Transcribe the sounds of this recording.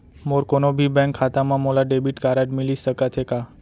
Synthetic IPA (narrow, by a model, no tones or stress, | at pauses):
moɾkonobʱibɛ̃ŋkʰːat̪amãmolaɖebiʈkaɾaɖmilisəkat̪ʰeka